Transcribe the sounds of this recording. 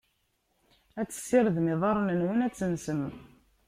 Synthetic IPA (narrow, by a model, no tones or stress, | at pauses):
æt͡sːə̥sːɪɾðmɪðˤɑɾˤnənwənæt͡sːənsəm